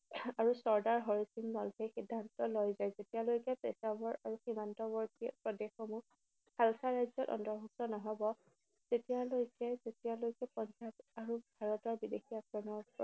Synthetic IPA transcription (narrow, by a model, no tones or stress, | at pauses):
aɹusɔɹdaɹɦɔɹisiŋnɔlbexidʱːantɔlojzajzetialojkɛpḛsabɔɹaɹuximantɔbɔɹtipɹɔdexɔmu | xalkʰaɹajzɔtɔ̰ntɔɹɦɔksɔnɔɦɔbɔ | z̥etijalojkɛzetijalojkɛpɔnt͡ʃataɹubʱaɹɔtɔɹbidexijakɹɔnɔɹ